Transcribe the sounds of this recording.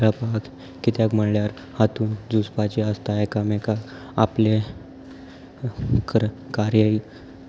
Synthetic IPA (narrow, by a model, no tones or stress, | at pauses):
ɾapak | kːit̪jakm̤əɽljaɾ | hat̪uːnd͡zuspat͡ɕiəst̪aekamẽka | aple | k | kaɾjəi